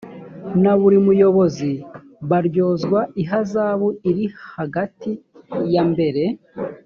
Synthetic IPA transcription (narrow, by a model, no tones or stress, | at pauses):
naβuɾimujo̞βo̞zi | βaɾɟo̞ːzɡwaiɦazaːβuiɾihaɡatijambe̞ɾe̞